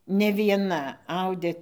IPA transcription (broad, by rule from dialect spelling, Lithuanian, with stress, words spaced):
nʲɛ ʋʲiɛˈnɐ ˈɐʊdʲeː